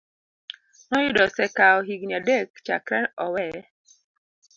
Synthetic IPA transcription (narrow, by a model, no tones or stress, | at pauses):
nɔjʊdɔsɛkaɔɦiɡnadekt͡ʃa̰kɾɛnɔwɛ